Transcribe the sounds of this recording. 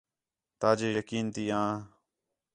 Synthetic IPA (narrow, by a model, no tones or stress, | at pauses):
t̪aːd͡ʒeːjəkiːnt̪iːãː